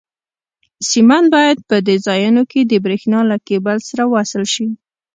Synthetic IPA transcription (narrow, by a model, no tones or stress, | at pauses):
simanbɑjad̪̚pəd̪əzɑjanoked̪əbɾexnɑlakebalsaɾawasɪlʃi